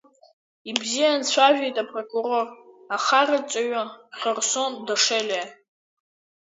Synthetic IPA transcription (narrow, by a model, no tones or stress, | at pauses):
ibzijant͡sʷʰaʒᶣejtʼapʼrokʼuɾo̞r | aχarat͡ʃʷʼaɥaχʲərso̞ndaʂelʲa